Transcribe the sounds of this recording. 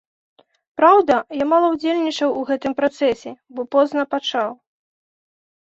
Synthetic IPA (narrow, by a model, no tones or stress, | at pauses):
pɾawd̪ɐjamalˠɐwd͡zʲelʲnʲit͡ʂɐwuɣɛt̪ɨmpɾat̪sɛsʲɛbɔpɔznɐpat͡ʂaw